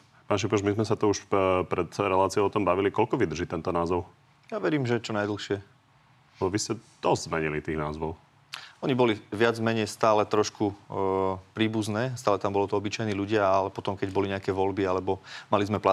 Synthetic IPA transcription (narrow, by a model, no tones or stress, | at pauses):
paːʃipɔʒmizmɛsat̪ɔuʃpɾɛt̪ɾɛlaːt͡siɔʊɔt̪ɔmbaʋilikɔlkɔʋid̪r̩ʒiːt̪ɛnt̪ɔnaːzɔʊ | jaʋɛɾiːmʒɛt͡ʃɔnajd̪l̩ˠxʃɪɛ | aʋiscɛd̪̥ɔzzmɛɲilit̪iːɣnaːzʋɔʊ | ɔɲibɔliʋɪad͡zmɛɲɛjst̪aːlɛt̪ɾɔʃku | pɾiːbuznɛːst̪aːlɛt̪ambɔlɔt̪ɔɔbit͡ʃajniːluɟɪaalɛpɔt̪ɔmkɛɟbɔliɲɛakɛːʋɔlbialɛbɔmalizmɛpla